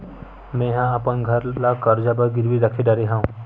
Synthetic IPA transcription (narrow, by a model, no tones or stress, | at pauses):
mɛ̃ɦãɐpənɡʱɐɾlakɐɾd͡ʒabəɾɡɪɾʋiɾəkʰeɖɐɾeɦãːũ